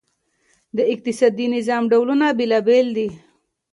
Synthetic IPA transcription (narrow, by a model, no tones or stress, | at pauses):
d̪əɪq̚t̪ɪsɑd̪inɪzɑːmɖawlunabelɑbeld̪i